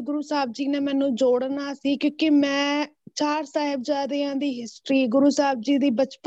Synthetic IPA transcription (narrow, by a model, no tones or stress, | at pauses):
ɡʊɾuːsaːbd͡ʒiːnɛːmɛ̃ːnũːd͡ʒoːɽnaːsiːkjõːkemɛ̃ːt͡ʃaːɾsaːɦɪbd͡ʒaːd̪eːãːd̪iːɦɪsʈɾiːɡʊɾuːsaːb̚d͡ʒiːd̪iːbət͡ʃpə